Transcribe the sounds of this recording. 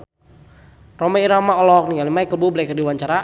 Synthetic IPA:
rɔmɛiɾamaɔlɔk̚niŋalimaikəlbublakərdiwaɲt͡ʃaɾa

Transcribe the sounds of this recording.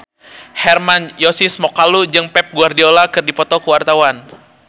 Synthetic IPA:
hɛrmanjɔsismɔkalud͡ʒɨŋpɛp̚ɡuardiolakɨrdipɔt̪ɔkəwart̪awan

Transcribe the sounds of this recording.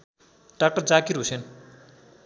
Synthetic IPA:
ɖ̥ak̚ʈʌrd͡zakiɾusen

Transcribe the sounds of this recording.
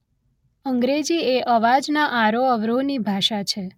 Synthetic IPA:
əŋɡɾed͡ʒieʔəʋad͡ʒnaʔaɾoəʋɾonibʱaʃat͡ʃʰe

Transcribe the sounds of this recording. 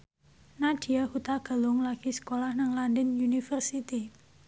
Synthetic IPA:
nad̥i̤ahut̪aɡ̥a̤lʊŋlaɡ̥isə̥kolahnaŋlandənjunifərsit̪i

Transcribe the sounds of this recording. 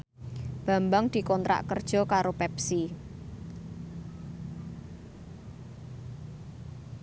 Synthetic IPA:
b̥a̤mbaŋd̪̥i̤kɔnt̪ɾa̰ʔkərd̥ʒ̥ɔ̤kaɾopɛpsi

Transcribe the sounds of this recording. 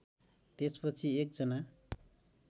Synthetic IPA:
t̪espʌt͡sʰiek̚d͡zʌna

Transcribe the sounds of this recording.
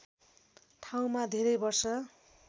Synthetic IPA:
ʈʰaw̃mad̪ʱeɾʌjbʌrsʌ

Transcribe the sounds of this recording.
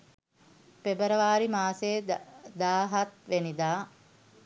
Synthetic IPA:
pebəɾəʋaːɾimaːseːd̪aːɦat̪ʋenid̪aː

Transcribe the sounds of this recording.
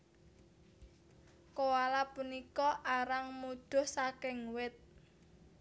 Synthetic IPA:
kowalapunikɔʔaɾaŋmud̪̥ʊ̤hsakɪŋwɪt̪̚

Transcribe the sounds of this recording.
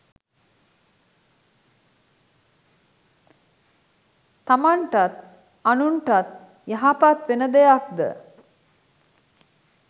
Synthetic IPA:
t̪amaɳʈat̪ | anuɳʈat̪ | jaɦapat̪ʋenəd̪ejak̚d̪ə̰

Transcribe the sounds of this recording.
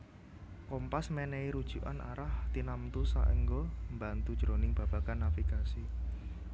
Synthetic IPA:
kɔmpasmɛnɛiɾud̥ʒ̥uʔa̰nʔa̰ɾaht̪inamt̪usa̰ʔəŋɡombant̪ud̥ʒ̥ɾonɪŋb̥ä̤b̥a̤kanːafikasi

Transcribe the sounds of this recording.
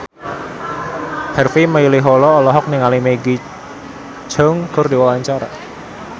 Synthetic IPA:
hɛrfiməilɪɦɔlɔːlɔɦɔk̚nɪŋalimeɡi̥ | d͡ʒɔŋkʊrdiwawaɲt͡ʃaɾa̰

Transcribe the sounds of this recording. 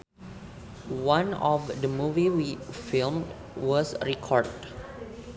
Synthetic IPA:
wãnɔfdəmuviwifilm | wɔsɹikʰɔɹd

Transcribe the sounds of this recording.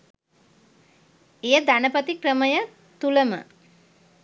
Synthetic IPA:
ejəd̪ænəpət̪ikrəməjə | t̪uləmə̰

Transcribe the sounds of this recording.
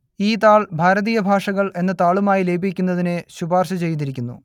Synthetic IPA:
iːt̪aːɭbʱaːɾɐðijɐbʱaːʂɐɣɐɭe̞nːɐt̪aːɭumaːjile̞ːbʱik̬ʲːunːɐðineɕubaːrɕɐt͡ɕe̞jt̪iɾikʲːunːṵ

